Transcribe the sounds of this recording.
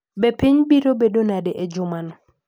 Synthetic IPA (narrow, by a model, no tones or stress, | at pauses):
bepiɲbiɾobedonadeʔed͡ʒʊmanɔ